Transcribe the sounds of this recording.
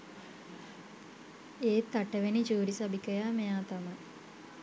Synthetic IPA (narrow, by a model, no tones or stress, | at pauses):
eːt̪ːaʈəʋenid͡ʒuːɾisabikəjaːmejaːt̪amɐj